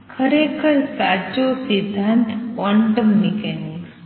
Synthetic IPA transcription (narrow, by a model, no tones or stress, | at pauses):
kʰəɾeːkʰəɾsad͡ʒosid̪ʱːant̪kaɳʈəmnikeni